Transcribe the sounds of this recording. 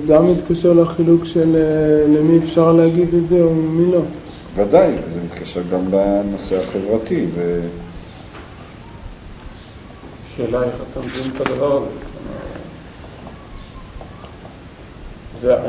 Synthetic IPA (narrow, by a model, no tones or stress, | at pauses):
ɡamːit̪kaʃeʁlaχilukʃellemiefʃaʁleaɡid̪ezeomilo̞ | vad̪ajzemit̪kaʃeʁɡamlaano̞seaχevʁat̪ive | ʃeːlaeχat̪amzimt̪ad̪avaʁazḛa̰ma̰ | ze